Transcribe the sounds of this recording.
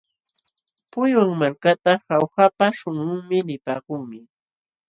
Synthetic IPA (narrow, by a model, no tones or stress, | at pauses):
pʊjwaŋmaɾkat̪ahawxapaʃʊŋʊŋmɪnɪpaːkʊŋmɪ